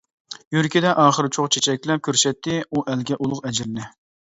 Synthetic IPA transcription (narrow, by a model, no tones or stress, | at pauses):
jyɾkʲid̪ɛʔɑːχəɾɨt͡ʃʰoχt͡ʃʰet͡ʃʰɛkʲlɛp̚kʲʰøɾsɛt̪ːɪuʔɛlɡʲɛʔulˠʊqɛd͡ʒɪɾnɪ